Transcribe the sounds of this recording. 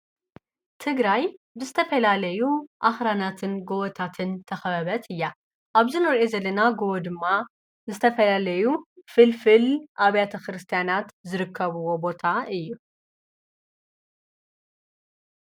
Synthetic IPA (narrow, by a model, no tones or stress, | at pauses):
t̪ʰɨɡɾaj | bɨzɨt̪ʰɐfɐlalɐjuʔaxɾanat̪ʰɨnɡowɔt̪ʰat̪ʰɨnt̪ʰɐxɐβɐβɐt̪ʰɨjːa | ʔaβzɨnɐɾʔezɐlːɐnaɡod̪ɨmːa | zɨt̪ʰɐfɐlalɐjufɨlfɨlʔaβjat̪ʰɐkɾɨst̪ʰijanat̪zɨɾɨkʰːɐβɨwo̞bo̞t̪ʰaɨjːu